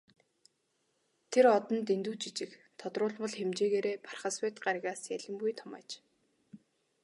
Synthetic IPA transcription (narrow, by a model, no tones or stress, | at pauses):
t̪ʰeɾɔt̪ɞ̆nt̪ent̪uwt͡ɕit͡ɕɪ̆kt̪ʰɔt̪rʊːɮpɞ̆ɮxemt͡ɕeːɣeːɾeːpʰarχə̆swet̪ɢaɾʲɣaːsjæɮʲɪ̆mpujt̪ʰɔmæ̰ːt͡ɕ